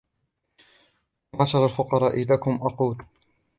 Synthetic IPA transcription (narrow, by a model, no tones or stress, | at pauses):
nɑsɑɾˤalfʊqɑɾˤɑːʔɪlakʊmʔɑquːl